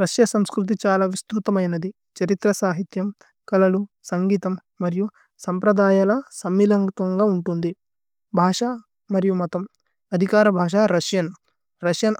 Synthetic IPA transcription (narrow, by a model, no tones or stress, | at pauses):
ɾɐʃjɐsɐmskɾut̪̬it͡ʃaːlaːʋist̪ut̪ɐmɐjnɐd̪i | t͡ʃɐɾit̪ɾɐsaːɦit̪jɐm | kɐlɐlusɐŋɡiːt̪ɐmːɐɾiju | sɐmpɾɐd̪aːjaːlɐsɐmːilɐŋt̪ʋɐŋɡaːuɳʈund̪i | bʱaːʂa | mɐɾijumɔt̪ɐm | ɐd̪ʱikaːɾɐbʱaːʂaːɾɐʂjɐn | ɾɐʂjɐn